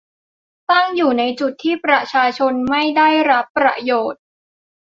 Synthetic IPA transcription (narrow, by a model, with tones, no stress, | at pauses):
t̪a˥˩ŋjuː˨˩na˧jt͡ɕu˨˩t̪ʰːiː˥˩pɾa˧t͡ɕʰaː˧t͡ɕʰo˧nma˥˩jda˥˩jɾa˦˥pːɾa̰˧joː˨˩t̪̚